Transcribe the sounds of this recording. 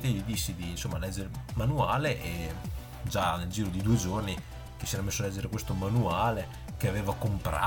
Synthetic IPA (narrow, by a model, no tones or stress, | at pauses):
t̪eod̪isːid̪iːnsomːalɛd͡ʒːeɾemanuaːleʔe | d͡ʒaneld͡ʒiːɾod̪id̪ued͡ʒorni | ke̥siɛːɾamesːoalɛd͡ʒːeɾekwest̪omanuaːle | k̟eaveːvakompɾa̰